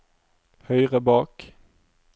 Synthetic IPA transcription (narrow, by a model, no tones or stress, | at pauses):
hœʏʁəbɑːk